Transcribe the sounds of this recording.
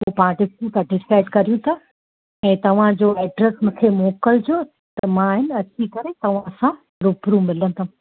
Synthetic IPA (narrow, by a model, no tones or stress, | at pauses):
popãːʈɪfʈũsaʈɪskaːɪɖkɐɾijũt̪ʰɐ | ɛ̃ːt̪ɐʋ̤ãd͡ʑoːɛːɖɾəsmɪ̃kʰeːmoːkəld͡ʑoː | t̪ɐmãɦɪnɐt͡ɕikɐɾet̪ɐʋ̤ãɐsã | ɾʊpɾũmɪlənɪ̆t̪ʰa